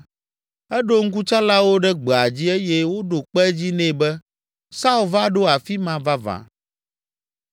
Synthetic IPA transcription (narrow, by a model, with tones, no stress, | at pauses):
ɛ˦ɖo˦ŋ̩˦ku˦t͡ʃa˦la˦wo˦ɖɛ˦ɡ͡bɛ˨a˨d͡ʑi˦ɛ˦jɛ˦wo˦ɖo˨k͡pɛ˦d͡ʑi˦nɛ̃˦˨bɛ˦ | sa˦u˦˨lva˦ɖo˦a˨fi˦mã˨va˦vã̰˨